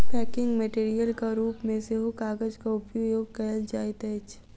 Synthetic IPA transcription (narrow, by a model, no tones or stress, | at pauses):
pɛːkɪ̃ŋɡmeʈeːɾijəlkaɾuːpmẽseɦokaːɡəd͡ʒkaʊpjojoːɡkɛld͡ʒaːɪt̪ɛt͡ʃ